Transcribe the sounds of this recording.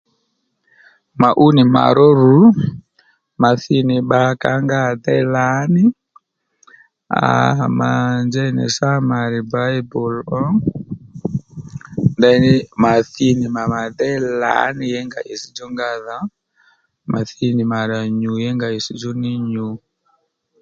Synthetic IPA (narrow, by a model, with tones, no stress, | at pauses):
ma˨ʔu˦ni˨ma̰˨ɾɔ˦ɾu˨˦ | ma˨θi˦ni˨ɓaka˨˦ŋɡa˦tɛ˦la˦ni˦ | a̰ma˨nd͡ʒa˦i˦nɛ̰˨sa˦ma˨ɾi˨ba˦i˦bɔ˨lɔ˦ | nda˦i˦ni˦ma˨θi˦ni˨ma˨ma˨tɛ˦la̰˨˦ni˦jɛ˦ŋɡa̰˨ʔi˨si˦d͡ʒɔ˦ŋɡa˦ða˨˦ | ma˨θi˦ni˨ma˨ɾa˨ɲu˨jɛ˦ŋɡa˨i˨si˦d͡ʒɔ˦ni˦ɲu˨